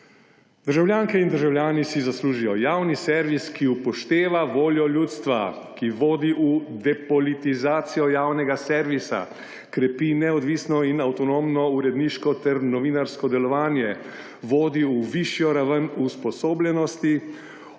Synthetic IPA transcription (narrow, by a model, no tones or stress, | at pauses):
d̪̥əɾʒawlʲjaːŋkɛind̪əɾʒawlʲjaːnisizasluːʒijɔjaːwnisɛɾʋiskiupɔʃt̪eːʋaʋoːljɔlʲjuːt̪st̪ʋa̰ | kiʋoːd̪iʔud̪ɛpɔlit̪izaːt̪sijɔjaːwnɛɡasɛɾʋisa̰ | kɾɛpinɛɔd̪ʋisnɔinawt̪ɔnoːmnɔuɾɛd̪niʃkɔt̪ɛɾnɔʋinaɾskɔd̪ɛlɔʋaːnjɛ | ʋoːd̪iuʋiʃjɔɾaʋənuspɔsoːblʲɛnɔst̪i